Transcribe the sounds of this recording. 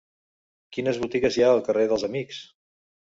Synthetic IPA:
kinəzβut̪iɣəzjaəlˠkəreðəlˠzəmiks

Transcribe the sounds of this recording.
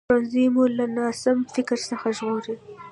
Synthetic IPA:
anzimulanɑsɪmfɪkɾsəxaʒɣoɾi

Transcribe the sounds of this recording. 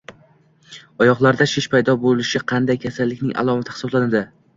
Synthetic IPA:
ɒjɒqlˠaɾd̪aʃeʃpajd̪ɒbolɪʃɪqʰɑnd̪ajkʲʰasalːɪkʲnɪŋʔa̰lˠɒmat̪ʰɪhɪ̥sɒblanad̪ɪ

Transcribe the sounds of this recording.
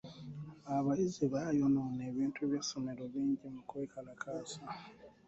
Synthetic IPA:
aβaiziβajonone̞ːβiːntʰuβjesome̞ɾo̞βiːɲɟimukweːkʰalakʰaːsa

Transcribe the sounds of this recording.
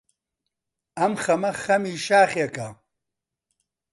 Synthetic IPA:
ɐmχɐmɐxɐmiːʃaːχeka

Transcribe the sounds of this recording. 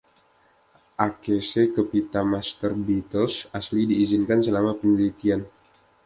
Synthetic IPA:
ʔakesekəpit̪amast̪ərbit̪əlsaslidiːzinkansəlamapəɲəlit̪ian

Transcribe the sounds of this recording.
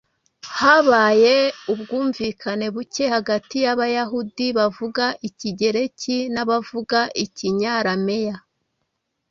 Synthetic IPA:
haβaːje̞ubɡuːɱviːkʰane̞βuce̞haɡatijaβajaɦudiβavuɡaʔiciɟe̞ɾe̞cinaβavuɡaʔiciɲaɾame̞ja

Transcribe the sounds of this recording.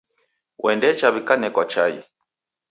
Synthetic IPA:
wʔɛndɛt͡ʃaβikanɛkwat͡ʃajḭ

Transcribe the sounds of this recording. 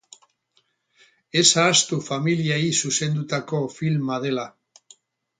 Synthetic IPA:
e̞saːst̪ufamiliaisuse̞nd̪ut̪ako̞filmað̞e̞la

